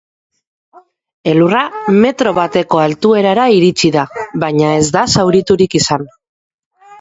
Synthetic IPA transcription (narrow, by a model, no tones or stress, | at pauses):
e̞lurame̞t̪ɾo̞βat̪e̞ko̞alt̪ue̞ɾaɾaiɾit͡ʃiðaβaɲae̞zd̪asawɾit̪uɾikisan